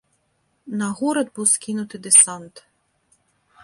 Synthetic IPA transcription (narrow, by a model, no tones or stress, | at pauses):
nɐɣuɾɐd̪buwskʲinʊt̪ɪd̪ɪsɑnt̪